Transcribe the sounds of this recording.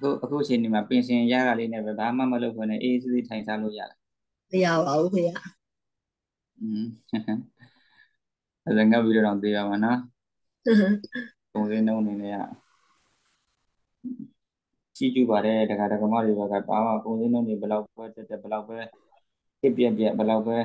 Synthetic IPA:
ʔəkʰṵ˦˨ʔəkʰu˦˨ʔət͡ɕʰe˨ne˨ma˨pɪ̃˨nɕʰɪ̃˨ja̰˦˨ɣa˨le˦nɛ̰˦˨bɛ˦ba˨ma̰˦˨mə˨lo˦ʊkʰɛ̃˦˨nɛ̰̃˨ʔe˦s̬i˦˨ze˦˨tʰã˨ɪ̃sa˦lo̰˦˨ja̰˦˨la˨ | məja˦˨ba˨u˦ɦʰja˦˨ | ʔə˨zɛ̃˨ŋɡa˦˨pːi˦ɾo˦˨ɾã˨ʊ̃t̪we˦˨ba˨ma˨nɔ˦ | kõ˨ʊ̃ze˦nõ˦ʊ̃ʔəne˨nɛ̰˦˨ja̰˦˨ | t͡ɕḭ˦˨t͡ɕṵ˦˨ba˨ɾɛ˨˦də˨kʰa˨də˨ɡə˨ma̰˦˨de˨bɛ˦˨ka̰˦˨ba̰˦mã̰˦˨kõ˨ʊ̃ze˦nõ˦ʊ̃nde˨bəla˦ʊpːɛ˦t̪ɛ˦˨tːɛ˦˨bə˨la˦ʊpːɛ˦ | kɪ˦ʔpjɛ˦ʔpjɛ˦˨ʔbə˨la˦ʊpːɛ˦

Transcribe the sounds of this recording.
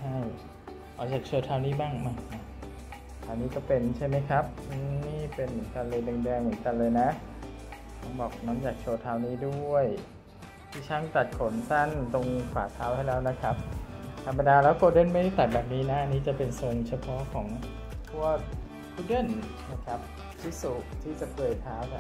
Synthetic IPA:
t͡ɕt͡ɕʰa˥˩j | ʔɔː˨˩t͡ɕaː˨˩k̚t͡ɕʰo˧t̪ʰaː˧wniː˦˥˩baː˥˩ŋmaː˧˩a˧˩ | t̪ʰaː˧wniː˦˥˩kɔː˥˩pe˧nt͡ɕʰa˥˩jma˦˥jkʰa˦˥p̚ʔɯː˧niː˥˩pe˧nmɯ˩˦nka˧nlɤː˧jdɯ˧ŋdɛː˧ŋmɯ˩˦nka˧nlɤː˧jna˦˥ | t̪ʰɔ˧˥˩ŋbɔː˨˩k̚nɔː˦˥˩nt͡ɕaː˨˩k̚t͡ɕʰoː˧t̪ʰaː˧wniː˦˥˩du˥˩˥əj | t̪ʰiː˧˩t͡ɕʰa˦˥˩ŋt̪a˨˩t̪̚kʰo˨˩˦nsa˥˩nt̪o˧ŋkʰwaː˩˦t̪ʰaː˦˥whʰa˥˩jlɛː˦˥wna˦˥kʰa˦˥p̚t̪ʰa˧mːa˧daː˧lɛː˦˥wkʰu˧ədɤː˧˥˩nma˥˨de˥˩t̪a˨˩bɛː˨˩p̚niː˦˥na˦˥˧niː˦˥˩t͡ɕa˨˩pe˧nso˨˧nt͡ɕʰa˧pʰɔ˦˥kʰɔː˩˦ŋ | k̪ʰu˧˩ɐ | kʰuː˧˥dɤ˧˥˩n | na˦˥˩kʰa˦˥p̚ | t̪ʰi˦˥su˨˩kt̪ʰiː˥˩t͡ɕa˨˩pʰɤː˨˩jt̪ʰaː˦˥wk̪ʰa˧˩

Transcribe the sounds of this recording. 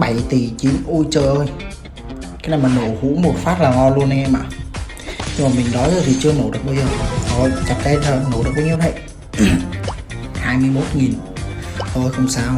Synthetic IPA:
ɓa˧˩jt̪i˨˩t͡ɕi˨˦ənʔu˧jt͡ɕəː˧˨˩jʔəː˧j | kaː˨˦jnaː˨˩jmaː˨˩no˧˩hṵ˧˥mo˨˩t̚faː˦˥t̚laː˨˩ŋɔ˧lu˧ən˧ʔɛ˧mʔa̰ː˨˩ | ɲɨ˧ŋmaː˨˩mï˨˩ŋ̟ɗɔ˨˦jzəː˧˩t̪ʰi˨˩t͡ɕɨ˧əməː˨˩wɗɨ˨˩k̚ɓaː˧zəː˨˩ʔo˧˩jt̪ə˨˩p̚ɗe˧jt̪ʰəː˨˩mə˨˧˩wɗk̚ɓaː˨˧˦ɲi˧wtʰə˧˩˨j | haː˧jmɨ˧əjmo˦˥t̚ŋi˨˩n | ʔəː˧jxə˧wŋ͡msaː˧w

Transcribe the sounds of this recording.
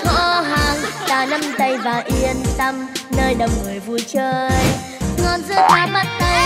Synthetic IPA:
hɔ̰˧ɦaː˨˩ŋk̪aː˨˩na˧mt̪ə˧˩jvaː˨˩ʔi˧ənt̪ə˧mnəː˧jɗə˨˩wŋ͡mŋɨ˨˩əjvu˨˧˩jt͡ɕəː˧j | ŋɔ˨˧nzɨ˦˥zaː˧mə˦˥t̚t̪ə˧j

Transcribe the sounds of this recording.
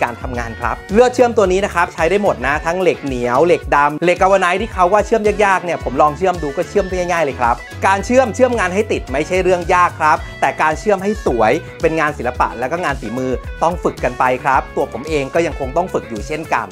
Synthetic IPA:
kaː˧nt̪ʰa˧mŋaː˧nkʰɾa̰˦˥p̚lɯ˥˩ət̚t͡ɕʰɯ˥˩əmt̪u˧ɐniː˦˥na˦˥kʰɾa˦˥p̚t͡ɕʰa˦˥jdaː˥˩jmo˨˩t̪̚na˦˥t̪ʰa˦˥ŋle˨˩k̚ni˩˦əwle˨˩k̚da˧mle˨˩kʔa˧wa˧naː˦˥jt̪ʰiː˥˩kʰa˦˥˩wːaː˥˩t͡ɕʰɯ˥əmjaː˥˩k̚jaː˥˩k̚ni˥˩ɐpʰo˩˦mlɔː˧ŋt͡ɕʰɯ˥˩əmduː˧kɔː˥˩t͡ɕʰɯ˥˩əmbaː˥˩ŋa˥˩jŋaː˥˩jlɤː˧kʰɾa˦˥p̚ | kaː˧nt͡ɕʰɯ˥˩əmt͡ɕʰɯ˥˩əmŋaː˧nɦa˥˩jt̪i˨˩t̪̚ma˥˩jt͡ɕʰa˦˥˩jɾɯ˥˩əŋjaː˥˩kʰːɾa˦˥p̚t̪ɛː˨˩kaː˧nt͡ɕʰɯ˥˩əmɦa˥˩jsu˩˦əj | pe˧nŋaː˧nsi˩˦la˧pa̰˨˩ʔlɛː˦˥wkɔː˥˩ŋaː˧nsiː˩˦mɯː˧t̪ɔ˥˩ŋfɯ˨˩kːa˧npa˧jkʰɾa˦˥p̚t̪u˧ɐpʰo˩˦mʔeː˧ŋkɔː˥˩ja˧ŋkʰo˧ŋt̪ɔ˥˩ŋfɯ˨˩k̚juː˨˩t͡ɕʰe˥˩nka̰˧n

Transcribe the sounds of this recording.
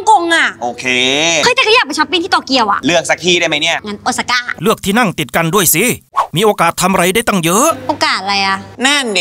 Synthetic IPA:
ŋko˧ŋʔa˧˩ʔoː˨˩kʰeː˧ɤ˧jt̪a˧˩kʰa˧jaː˨˩k̚pa˧t͡ɕʰa˦˥pːiː˧nt̪iː˥˩t̪ɔː˨˩ki˧əwʔa̰˧˩ʔlɯ˥˩ək̚sa˨˧k̚t̪ʰiː˧˩ɾa˥˩jma˦jni˥˩ɐŋa˧˥nʔo˨˧t̪̚sa˧kaː˧˩lɯ˥˩ək̚t̪ʰiː˥˩na˥˩ŋt̪i˨˩t̪̚ka˧ndu˥˩əjsi˨˦miː˧ʔoː˧kaː˨˩t̪ʰːa˧mʔa˧ɾa˧jda˥˩jt̪ɔ˥˩ŋjɤ˦˥ʔʔoː˧kaː˨˩t̪̚la˧jʔa˧˩na˥˩n˩

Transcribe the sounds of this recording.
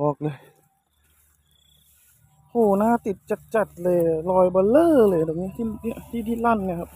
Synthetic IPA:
ɔː˧˦k̚lɤː˧˩j | hʰuː˧˩naː˧˥˨t̪i˧˩t̪̚t͡ɕa˧˩t̪̚t͡ɕa˧˩t̪̚lɤː˧˩jlɔː˧˩jbɔː˧˦lɤː˧˥˨lɤː˧˩jdɔ˨˩k̚niː˧˥˨t̪ʰi˧˥˨i˧˥˨t̪ʰiː˧˩t̪ʰiː˧˩la˧˥˩nna˧˨kʰa˦˧p̚

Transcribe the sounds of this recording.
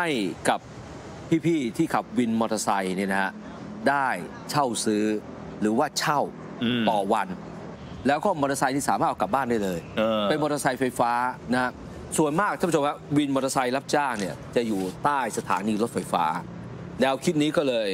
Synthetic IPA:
ha˥˩jka˨˩p̚ | pʰiː˥˩pʰiː˥˩t̪ʰiː˥˩kʰa˨˩p̚wi˧nmɔː˧t̪ʰa˧sa˧jni˥˩na˦˥ha˦˥ʔ | daː˥˩j | t͡ɕʰa˥˩wsɯː˦˥ | ɾɯː˩˦waː˥˩t͡ɕʰa˥˩w | t̪ɔː˨˩wa˧n | lɛː˦˥wkɔː˥˩mɔː˧t̪ʰa˧sa˧jniː˥˩saː˨˦maː˥˩ʔʰka˨˩p̚baː˥˩nda˥˩jlɤː˧jpe˧nmɔː˧t̪ʰa˧sa˧jfa˧jfaː˦˥na˦˥ha˦˥ | su˨˩ənmaː˥˩k̪̚aː˥˩pːʰo˧mha˦˥wi˧nmɔː˧t̪ʰa˧sa˧jla˦˥p̚t͡ɕaː˥˩ŋni˥˩ɐt͡ɕa˨˩juː˨˩t̪aː˥˩jsa˧t̪ʰaː˩˦niː˧lo˦˥t̪̚fa˧jfa̰ː˦˥ | nɛː˧wkʰi˦˥t̪̚niː˦˥kɔː˥˩lɤː˧j

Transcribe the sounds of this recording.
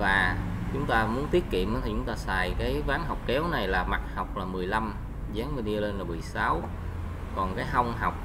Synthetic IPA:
vaː˨˩ | t͡ɕʊ˨˦ŋ͡mt̪aː˧mu˨˦ənt̪i˦˥ət̚kḭ˧˨əmʔə˧˨˦t̪ʰi˨˩t͡ɕʊ˨˦ŋ͡mt̪aː˧saː˨˩jkaː˨˦jvaː˨˦nɦa˨˩wk͡p̚kɛ˨˦wna˨˩jlaː˨˩ma˨˩t̚ha˨˩wk͡p̚laː˨˩mɨ˨˩əjla˧m | zaː˨˦ŋvni˧le˧nlaː˨˩mɨ˨˩əjsa˨˦w | kɔ˨˩nkaː˨˦jɦɔ˧wŋ͡mɦa˨˩wk͡p̚

